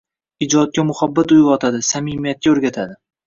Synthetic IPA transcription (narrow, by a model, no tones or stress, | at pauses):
ɪd͡ʒɒt̪̚kʲamʊhabːat̪ʊjɒt̪ʰad̪ɪsamimijat̪̚kʲaɵɾɡʲat̪ʰad̪ɪ